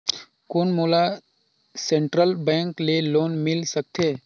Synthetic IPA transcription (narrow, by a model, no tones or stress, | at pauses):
koːnmoːla | sẽɳʈɾəlbɛ̃ːŋkleloːnmɪlsək̚t̪ʰeː